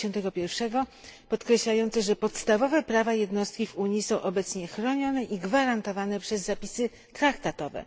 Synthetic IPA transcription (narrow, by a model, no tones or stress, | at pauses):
ɔnt̪ɛɡɔpʲjɛɾfʂɛɡɔpɔt̪kɾɛɕlajɔnt̪sɛʐɛpɔt̪st̪avɔvɛpɾavajɛd̪nɔst̪̚kʲivuɲisɔ̃w̃ʔɔbɛt̪sɲɛxɾɔɲɔnɛʔiɡvaɾant̪ɔvanɛpʂɛzːapʲisɘ | t̪ɾakt̪at̪ɔvɛ̰